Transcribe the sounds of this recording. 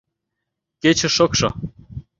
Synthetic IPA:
ket͡ɕĕʃɤ̆kʃɤ̆

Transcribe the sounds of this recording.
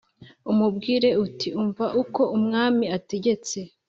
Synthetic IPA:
umubɡiːɾe̞utʰiuɱvaʔuko̞umŋaːmiate̞ɟe̞t͡se̞

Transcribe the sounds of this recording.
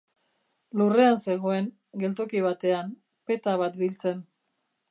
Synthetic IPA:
lure̞anse̞ɣ̞o̞e̞ŋ | ɡe̞lt̪o̞kiβ̞at̪e̞am | pe̞t̪aβat̪bilt͡se̞n

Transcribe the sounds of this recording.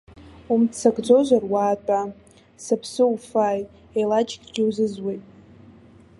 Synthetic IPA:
umt͡sʰaɡd͡zo̞ʒʷarwaːtʼa | sapʰsɨufaːj | ejlat͡ʃɡʲʼɡʲɪwzɨzwejtʼ

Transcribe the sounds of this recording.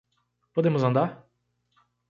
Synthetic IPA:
pod̪ẽmʊzɐ̃nd̪aɾ

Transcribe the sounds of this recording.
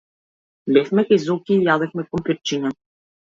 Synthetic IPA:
bɛfmɛkajzɔkʲiːjad̪ɛfmɛpɔmpʲəɾt͡ʃiɲa

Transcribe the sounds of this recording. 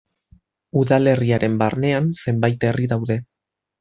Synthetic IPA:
uðale̞riaɾʔe̞mbarne̞anse̞mbajt̪e̞riðawðe̞

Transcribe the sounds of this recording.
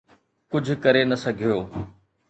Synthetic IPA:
kʊd͡ʑʱʊ̆kɐɾenɐsɐɡʱijoː

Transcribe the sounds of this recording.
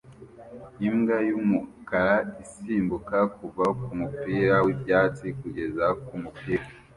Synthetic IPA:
imɡajumukaɾaisiːmbukakuvakumupiːɾawebɟaːt͡sikuɟe̞zakumupiːɾa

